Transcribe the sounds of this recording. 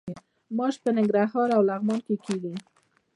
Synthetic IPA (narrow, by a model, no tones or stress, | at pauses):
mɑʃpənɪŋɡɾaɦɑɾawlaɣmɑnkekeɡi